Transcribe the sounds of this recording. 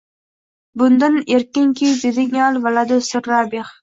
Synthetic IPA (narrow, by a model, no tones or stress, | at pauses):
bʊnd̪aneɾkʲɪŋkʲʰizɪd̪ɪŋɑlˠvalad̪ʊsʊɾːabeχ